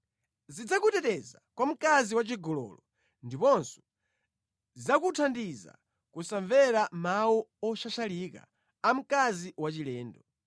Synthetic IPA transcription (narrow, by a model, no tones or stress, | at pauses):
zid͡zakutɛtɛzakwam̩kaziwat͡ʃiɡɔlɔ̰lɔ | ndipɔnsɔ̥ | zakutʰandiza̰ | kusaɱvɛɾamawuɔʃaʃalika̰ | am̩kaziwat͡ʃilɛːndɔ